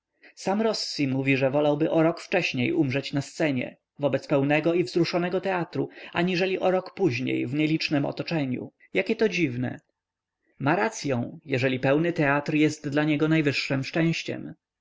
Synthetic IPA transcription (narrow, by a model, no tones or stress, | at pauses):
samɾɔsːimuvʲiʐɛvɔlawbɘʔɔɾɔkft͡ʂɛɕɲejʔumʐɛt͡ɕnast̪sɛɲɛ̰ | vɔbɛt̪spɛwnɛɡɔivzɾuʂɔnɛɡɔt̪ɛat̪ɾuaɲiʐɛlʲiʔɔɾɔkpuʑɲḛjvɲɛlʲit͡ʂnɛmɔ̰t̪ɔt͡ʂɛɲṵ | jakʲɛt̪ɔd͡ʑivnɛ̰ | maɾat̪sʲjɔ̃w̃jɛʐɛlʲipɛwnɘt̪ɛat̪ɾjɛst̪̚d̪laɲɛɡɔnajvɘʂːɨmʂt͡ʂɛ̃w̃ɕt͡ɕɛ̰m